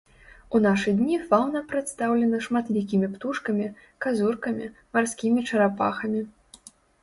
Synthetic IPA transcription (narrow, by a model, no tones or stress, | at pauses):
unaʂɨd̪ʲnʲifawnɐpɾɛt̪st̪awlʲɛnɐʂmat̪lʲik̬ʲimʲipt̪uʂkɐmʲi | kazurkɐmʲimarsʲkʲimʲit͡ʂɐɾapa̰xɐmʲi